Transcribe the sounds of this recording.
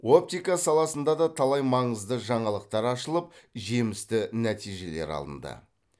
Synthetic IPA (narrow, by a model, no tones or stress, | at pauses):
o̞p̚t̪ijkasɑlˠɑsənd̪ɑd̪ɑt̪ʰɑlˠɑjmɑɴəzd̪əʒɑɴɑlˠəq̚t̪ɑɾɑʃəlˠəp̚ʒe̞mɪst̪ɪnæt̪ijʒe̞le̞̰ɾɑ̰lˠə̰nd̪ə̰